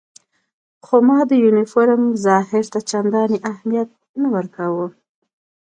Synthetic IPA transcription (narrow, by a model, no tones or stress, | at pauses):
xomɑd̪əjunɪfoɾmzɑhɪɾt̪at͡ʃand̪ɑniʔahmijat̪̚ | nawəɾkawu